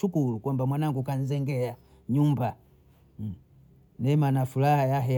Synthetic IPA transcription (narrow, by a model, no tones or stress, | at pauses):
ukulukwambamwanaŋɡukan̩zɛŋɡɛa | ɲumba | nɛmanafulahajaɦɛ